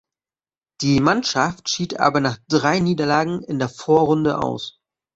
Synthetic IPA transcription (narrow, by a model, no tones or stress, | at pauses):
d̥iːmanʃaftʃiːtʔa̰ːbɐnaːχd̥ʁaɪniːdɐlaːɡŋ̩ɪndeːɐfoːɐʁʊndəʔa̰ʊs